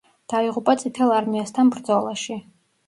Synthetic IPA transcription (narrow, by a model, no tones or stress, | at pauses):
d̪̥aiʁupʼat̪sʼit̪ʰɛlˠaɾmiast̪ʰanbɾd̪zɔlˠaʃi